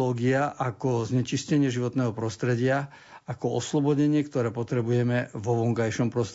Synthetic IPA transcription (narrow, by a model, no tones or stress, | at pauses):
ɔːɡiaʔakɔzɲɛt͡ʃiscɛɲɪɛʒiʋɔt̪nɛːɦɔpɾɔst̪ɾɛɟɪa | akɔɔslɔbɔɟɛɲɪɛkt̪ɔɾɛːpɔt̪ɾɛbujɛmɛvɔʋɔŋkajʃɔmpɾɔst̪